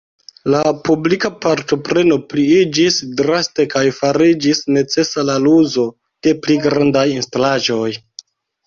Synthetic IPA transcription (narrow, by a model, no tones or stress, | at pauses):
lapublikapaɾto̞pɾe̞no̞pliid͡ʒisdɾaste̞kajfaɾid͡ʒisne̞t͡se̞salaluzo̞ | d̥e̞pliɡɾandajinstalaʒo̞j